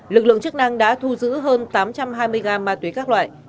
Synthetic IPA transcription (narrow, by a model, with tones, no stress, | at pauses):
lɨ˨˩k̚lɨ̰˧˨əŋt͡ɕɨ˦˥k̚na˧ŋɗa̰ː˧˥t̪ʰu˧zɨ̰˧˥ɦəː˧nt̪aː˨˦mt͡ɕa˧mɦaː˧jmɨ˧əjɣaː˨˩maː˨˩t̪wi˨˦jkaː˦˥k̚lwa̰ː˧˨j